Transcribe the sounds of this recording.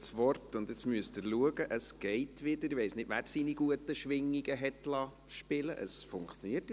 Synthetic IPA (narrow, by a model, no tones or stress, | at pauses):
sʋɔrtʊnd̪ɛt͡smyəstəɾluəɡəʔəsɡ̥ɛɪtʋɪdəɾɪʋɛɪsnɪd̥ʋæːɾsiniɡuətəʃʋɪŋːiɡəɦɛtlɑː | ʃpɪləʔəsfʊŋkt͡sjoniːəɾt